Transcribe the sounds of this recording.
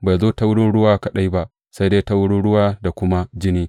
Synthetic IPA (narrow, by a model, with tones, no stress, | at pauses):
ba˨jzoː˦ta˦wʊ˦ɽʊ˦nɽʊ˦waː˦kɐ˨ɗa˦jba˦ʔ | sa˦jdeː˦ta˦wʊ˦ɽʊ˦ɽʊ˦waː˦da˨kʷʊ˦ma˦d͡ʒɪ˦niː˦